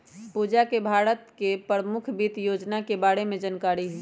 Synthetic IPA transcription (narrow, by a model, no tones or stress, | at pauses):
puːd͡ʒakebʱaːɾət̪kepɾəmʊkʰbiːt̪joːd͡ʒnakebaːɽemẽd͡ʒənkaːɾiɦuiː